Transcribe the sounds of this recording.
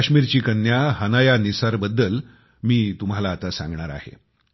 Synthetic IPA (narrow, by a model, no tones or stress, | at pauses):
aɕmiːɾt͡ɕiːkənːjaɦənajanisaɾbəd̪ːəl | miːt̪um̤alaːt̪asã̰ŋɡɳaɾa̰ɦḛ